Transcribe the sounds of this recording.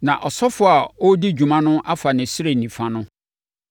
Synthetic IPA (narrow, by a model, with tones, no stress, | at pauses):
nã˨ʔɔ˨sɔ˦fʊ˨a˨ɔ˦di˦d͡ʑᶣu˨mã˦nʊ̃˦ʔa˦fa˨nɪ̃˨sɪ˦ɾe˨nĩ˨fã˦nʊ̃˦